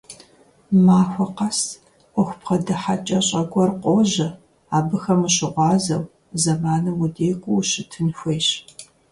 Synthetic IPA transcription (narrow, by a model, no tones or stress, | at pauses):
maːxʷɔqɐs | ʔʊxʷʊpqɐdɐħat͡ʃʼɐɕʼɐɡʷʼɔrqʷoːʑɐ | aːbɨxɐmɨɕɪʁʷɑːzɐw | zɐmaːnɨmudeːqʷʼʊwɕɪtʰɨnxʷejɕ